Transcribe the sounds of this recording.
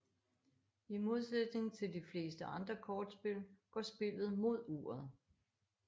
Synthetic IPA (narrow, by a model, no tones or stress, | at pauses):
imo̝ð̞ˠsed̥ne̝ŋt͡sʰe̝ld̥ifle̝ːsd̥əɑ̈nd̥ʁɐkʰɒːd̥sb̥e̝l̰ɡ̥ɒsb̥e̝l̰ð̞̩ˠmo̝ð̞̰ˠṵːɐð̞̩ˠ